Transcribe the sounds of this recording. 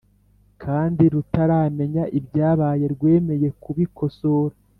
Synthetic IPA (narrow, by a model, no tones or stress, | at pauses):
kʰaːndiɾutaɾaːme̞ɲaʔibɟaːβaːje̞ɾɡwe̞ːme̞je̞kuβikʰo̞soːɾa